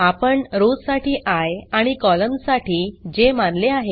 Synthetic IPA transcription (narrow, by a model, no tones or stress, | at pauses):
apəɳɾod͡zsaʈʰiːʔajaɽ̃ikɔləmsaʈʰiːd͡ʑemanleaɦe